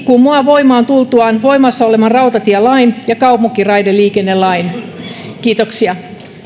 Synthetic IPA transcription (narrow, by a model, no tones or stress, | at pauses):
kummuɑʋoimɑːnt̪ult̪uɑnʋoimɑsːɑolemɑnrɑut̪ɑt̪iælɑinjɑkɑupokirɑidelːiːkenːellɑin | kiːt̪oksiɑ